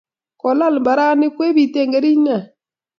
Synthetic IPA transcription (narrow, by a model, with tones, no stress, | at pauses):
kɔ˨la˦˨lmba˨ɾa˦nɪ˦kwe˦βi˨te˦˨ŋɡe˦ɾi˦na˨